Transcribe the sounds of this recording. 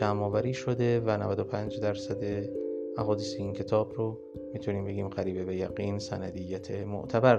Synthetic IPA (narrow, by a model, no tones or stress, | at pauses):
æmɒːvæɾiːʃo̞d̪e̞vænævæd̪o̞pʰænd͡ʒd̪æɾsæd̪e̞æɦɒːd̪iːseiːncʰe̞t̪ʰɒːbɾo | mit̪ʰuniːmbe̞ɡʲiːmɢæɾiːbebejæɣiːnsænæd̪ijːæt̪ʰemo̰ʔt̪ʰæbæɾ